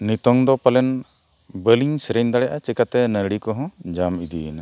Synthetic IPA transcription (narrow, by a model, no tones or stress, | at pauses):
nit̪ɔŋd̪ɔpalɛn | bəliŋsɾɛnd̪aɽɛjaʔat͡ʃɛkat̪ɛnəɾɽikɔɦɔ̃d͡ʒamid̪ina